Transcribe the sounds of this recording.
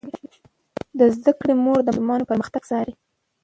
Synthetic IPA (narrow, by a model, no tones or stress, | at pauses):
d̪əzd̪akɽemoɾd̪əlmɑnopəɾməxt̪aɡsɑɾi